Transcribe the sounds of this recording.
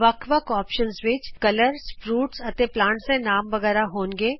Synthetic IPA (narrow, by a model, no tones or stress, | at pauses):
ʋəkʰʋəkɔːpʃənzʋɪt͡ʃkɐləɾsfɾuːʈsɐt̪eplãːɳʈsẽnaːmʋɐɣɛːɾaɦoːnɡeː